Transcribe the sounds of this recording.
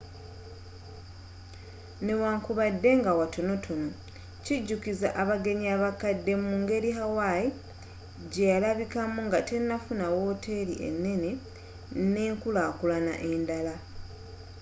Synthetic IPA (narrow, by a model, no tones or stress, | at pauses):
ne̞waːŋkuβadːe̞ŋɡawatʰo̞no̞tʰo̞no̞ | ciɟːukizaʔaβaɡe̞ɲiaβakadːe̞muŋɡe̞ɾiɦawaji | ɟejalaβikamuŋɡate̞nːafunawo̞ːtʰe̞ɾḭʔe̞̰nːe̞ne̞ | ne̞ːŋkulaːkulana̰ʔe̞ndala